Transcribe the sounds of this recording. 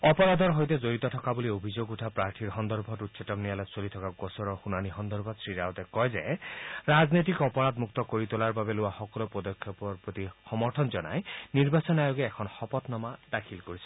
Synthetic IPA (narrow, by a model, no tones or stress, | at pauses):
ɔpɔɹad̪ɔɹɦojt̪ɛzoɹit̪ɔtʰɔkabuliobʱizoɡutʰapɹaɹtʰiɹɦɔnd̪ɔɹbʱɔtutsʰɔtɔmnijalɔsolit̪ʰɔkaɡɔsɔɹɔxunanixɔnd̪ɔɹbʱɔt̪sɹiɹawt̪ɛkɔjzɛɹaznit̪̬ikɔpɔɹad̪muk̚t̪ɔkoɹit̪ulaɹbabɛlʊwaxɔkɔlopɹɔd̪ɔkʰjɔpɔɹpɹot̪ixɔmɔɹt̪ʰɔnzɔna̰jniɹbasɔnajoɡɛɛkʰɔnxɔpɔt̪nɔmadakʰilkoɹisʰɔ̥